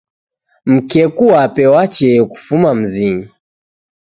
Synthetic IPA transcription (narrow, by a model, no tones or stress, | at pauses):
m̩kɛkuwapɛwat͡ʃɛku̥fumam̩ziŋa